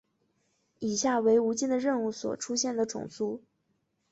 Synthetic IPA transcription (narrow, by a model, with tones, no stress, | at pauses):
i˨˩ɕja˥˩we˧˥ɪu˧˥t͡ɕi˥˩nd̪ə˩ɻə˥˧nu˥˩swɔ̰˨˩ʈ͡ʂʰu˥ɕjɛ˥˩nd̪ə˩ʈ͡ʂʊ̰˨˩ŋsu˥